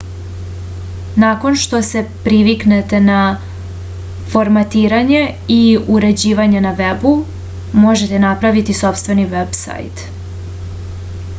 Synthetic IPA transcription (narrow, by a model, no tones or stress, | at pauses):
nako̞nʃt̪o̞se̞pɾiʋiknet̪e̞na | fo̞ɾmat̪iːɾaɲe̞iuɾe̞d͡ʑiːʋaɲe̞naʋebu | moʒe̞t̪e̞napɾaʋit̪iso̞pst̪ve̞niʋebsa̰jt̪